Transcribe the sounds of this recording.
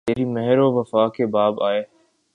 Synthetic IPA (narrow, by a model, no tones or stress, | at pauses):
t̪eːɾimɛɦɾoʋəfaːkebaːbaːeː